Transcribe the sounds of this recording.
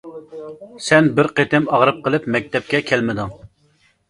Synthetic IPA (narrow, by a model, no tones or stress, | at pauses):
sɛnbɪɾqet̪ɪmɑʁɾɨp̚qəlˠɪpmɛk̚ʲt̪ʰɛp̚kʲɛkʲʰɛlmɪd̪ɨŋ